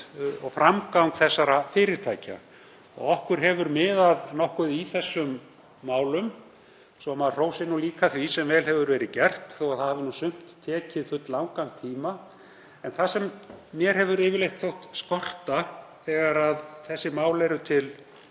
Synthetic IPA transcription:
ɔɣfɾamkawŋkθɛsːaɾafɪːɾɪɾ̥t̪ʰaːjca̰ | ɔ̰ɣɔhkʏɾ̥ɦɛvʏɾmɪːðaðnɔhkʏðiθɛsːʏmː | aːwlʏm | sɔmaðr̥oːwsɪnuliːkaθvisɛmvɛːlɦɛvʏɾvɛːɾɪðcɛr̥t̪θowaðθahavɪnusʏm̥t̪ʰːɛːcɪðfʏt̪lawŋkaŋt̪ʰiːma | ɛnθasɛmːjɛɾ̥ɦɛvʏɾɪːvɪɾlejht̪θowht̪skɔr̥t̪aθɛːɣaɾaðθɛsːɪmaːwlɛɾʏt̪ʰɪl

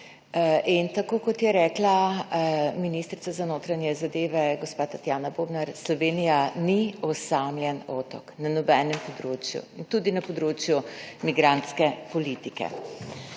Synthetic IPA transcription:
ʔint̪akoːkɔt̪jɛɾɛːkla | minist̪ɾit̪sazanoːt̪ɾanjɛzad̪eːʋɛɡɔspat̪at̪jaːnaboːbnaɾslɔʋeːnijaniɔsamljɛnɔt̪ɔknanɔbɛːnɛmpɔd̪ɾoːt͡ʃjṵint̪uːd̪inapɔd̪ɾoːt͡ʃjumiɡɾant̪skɛpɔlit̪ikɛ̰

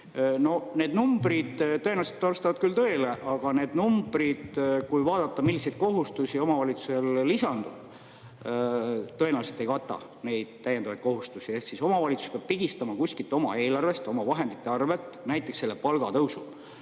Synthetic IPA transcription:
no̞ne̞ːd̪numb̥rid̪̥t̪ːɤeneɑset̪ːɑrst̪ɑvɑd̪̚kylt̪ɤ̞ele̞ʔɑɡ̥ɑne̞ːd̪numb̥rid̪̥kujvɑːd̪̥ɑt̪ːɑmilːise̞jd̪̥ko̞ɦust̪usʲio̞mɑvɑlit̪su̥se̞lːisɑnd̪̥ud̪̥ | t̪ɤe̞newset̪ːˑe̞jkɑt̪ːˑɑ̰ | ne̞jd̪̥t̪æjːend̪ɑvɑjt̪̚ko̞ɦust̪usie̞hksiso̞mɑvɑlʲit̪su̥speɑb̥̚piɡist̪ɑmɑkusʲkilt̪ːˑo̞mɑ̰e̞ːlɑrve̞st̪o̞mɑvɑɦe̞nd̪it̪ːˑe̞ɑrve̞t̪ːˑnæjt̪ːˑe̞kselːe̞pɑlɡ̥ɑt̪ɤwsub̥

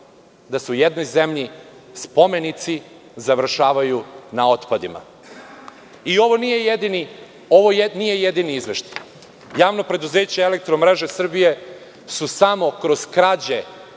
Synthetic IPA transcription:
d̪aseujed̪no̞jzemʎispo̞me̞nit̪si | zaʋr̩ʃaːʋajunao̞t̪pad̪ima̰ | io̞ʋo̞nijejed̪ini | o̞ʋo̞jnije̞jed̪iniizʋeʃt̪ḁ | jaːʋno̞pɾe̞d̪uze̞ːt͡ɕeelek̚t̪ɾomɾe̞ʒesr̩bije̞ | susamo̞kɾo̞z̥kɾad͡ʑe

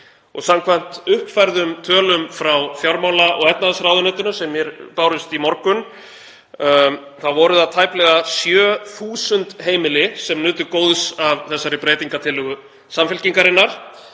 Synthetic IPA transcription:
ɔɣsamkʰvan̥t̪ʏhpfajɾðʏmt̪ʰœːlʏmfɾawfjawɾmaːwlaʔɔɣɛt̪naðsɾawðʏnœːt̪ʏnʏsɛmːjɛɾpaːwɾʏst̪imɔɾkʏn | θaðvɔɾʏðaðt̪ʰajplɛɣasjœːθuːsʏnt̪ɦeːjmɪlɪsɛmnʏːt̪ʏkoːwðsavθɛsːaɾɪpɾeːjt̪iŋkat̪ʰɪlːʏɣʏ | samfɛlciŋkaɾɪnːaɾ̥

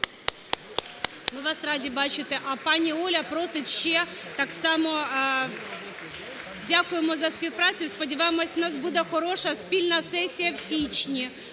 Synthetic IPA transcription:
ʋɪʋɑsrɑdʲibɑt͡ʃɪt̪ɛʔɐpɑnʲiɔlʲɐpɾɔsɪtʲʃt͡ʃɛt̪ɑksɑmɔ | dʲakʊjemɔzɐspʲiwpɾɑt͡sʲʊjspɔdʲɪʋajɪmɔsʲnɑsbud̪ɛxɔɾɔʃɐspʲilʲnɐsɛsʲijɐwsʲit͡ʃnʲi

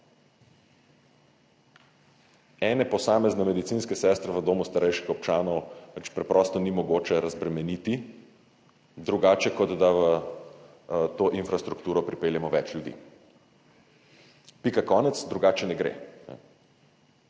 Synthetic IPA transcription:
ɛːnɛpɔsaːmɛznɛmɛd̪it̪siːnskɛsɛːst̪ɾɛʋəd̪oːmust̪aɾɛjʃkixɔpt͡ʃaːnɔwʋɛt͡ʃpɾɛpɾɔst̪ɔnimɔɡoːt͡ʃɛɾazbɾɛmɛnit̪i | d̪ɾuɡaːt͡ʃɛkɔd̪d̪aʋə | t̪oːʔinfɾast̪ɾukt̪uːɾɔpɾipeːljɛmɔʋɛt͡ʃljud̪ḭ | pikakɔːnɛt̪sd̪ɾuɡaːt͡ʃɛnɛɡɾḛːnɛ̰

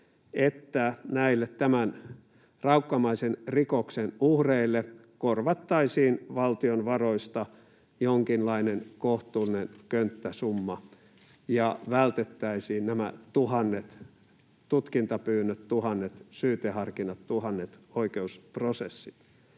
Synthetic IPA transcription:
et̪ːænæilːet̪t̪æmæn | rɑukːɑmɑisenrikoksenuhreilːe | korʋɑt̪ːɑisiːnʋɑlt̪ionʋɑroist̪ɑ | joŋkinlɑinenkoht̪uːlinenkønt̪ːæsumːɑ | jɑʋælt̪et̪ːæisiːnnæmæ̰t̪uhɑnːet̪ | t̪ut̪kint̪ɑpyːnːøt̪t̪uhɑnːet̪syːt̪ehɑrkinɑt̪t̪uhɑnːet̪oikeusprosesːit̪

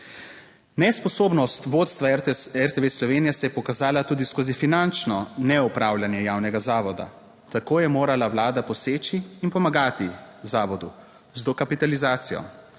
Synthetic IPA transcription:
nɛspɔsoːbnɔst̪ʋoːt̪st̪ʋaɛɾt̪eʋeslɔʋeːnijɛsɛjɛpɔkazaːlat̪uːd̪iskoːzifinant͡ʃnɔnɛupɾaːwljanjɛjaːwnɛɡazaːʋɔd̪a̰ | t̪akoːjɛmoːɾalawlaːd̪apɔseːt͡ʃiːnpɔmaɡaːt̪izaːʋɔd̪u | zd̪ɔkapit̪alizaːt̪sijɔ̰

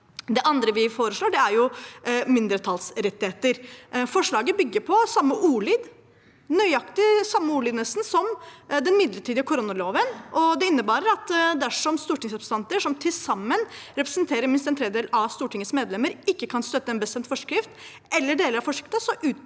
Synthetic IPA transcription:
d̪ɛʔɑnd̪ɾəʋɪfoːɾəʂɭoːɖɛæɾjʊmɪnd̪ɾət̪ʰɑːlsɾɛt̪ːɪheːt̪əɾfɔʂɭɑːɡəbʏɡːəpʰɔsɑmːəʔuːɭiːd̪ | nœʏɑkt̪ɪsɑmːəuːɭiːd̪nəsn̩sɔmd̪ɛnmɪd̪ləʈʰiːd̪ɪəkʰʊɾʊnːɑloːʋənʔɔd̪ɛɪnːəbɑːɾəɾɑt̪d̪æʂɔmst̪uːʈɪŋsɔbst̪ɑnt̪əʂɔmt̪ʰɪlsɑmːənɾɛpɾɛ̥snt̪ʰeːɾəɾmɪnst̪ɛnt̪ʰɾɛːd̪d̪eːlɑʋst̪uːʈɪŋːət̪smeːd̪lɛmːəɾɪkːəkʰɑnst̪œt̪ːəɛːnbəst̪ɛnt̪fɔʂkɾɪft̪ | ɛlːəɖeːləɾɑfɔʂɪk̚t̪əsɔʔʉː

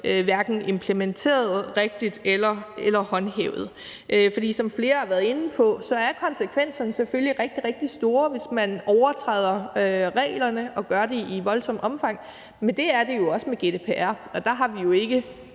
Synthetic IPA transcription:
øʋæɐɡ̥n̩e̝mpʰlement͡sʰe̝̰ːɐð̞̩ˠʁeɡ̥̚d̥id̥elɐelɐhɒ̽nɦḛːʊð̞̩ˠ | ʔfɒ̽d̥ḭːsɒ̽mfle̝ːɐɑ̈ʋæɐð̩ˠe̝n̩pʰɒ̽sɒ̽æɐkʰɒ̽nsəkʰʋen̰sɐnəseføljiʁɛɡ̥̚d̥iʁeɡ̥̚d̥isd̥o̝ːɐʋe̝smænɒʊɐt͡sʰʁɛ̰ːð̞̰ˠɐʁɛ̰ːlɐnəʔɒ̽ɡ̥ɶɐde̝iʋɒ̽lsɒ̽m̰ɒ̽mfɑ̈ŋ̰ | mend̥e̝æɐd̥e̝jo̝ɒ̽səmeɡ̥e̝d̥e̝ːpʰeæɐ̰ɒ̽d̥ɑ̈ɦɑ̈ʋijo̝e̝ɡ̥ə

